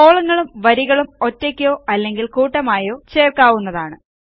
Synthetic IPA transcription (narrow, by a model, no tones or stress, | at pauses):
o̞ːɭɐŋːɐɭumʋɐɾiɣɐɭumo̞tːekʲːo̞ːʔɐlːe̞ŋɡilkuːʈːɐmaːjo̞ːt͡ɕe̞ːrkaːʋunːɐðaːɳɨ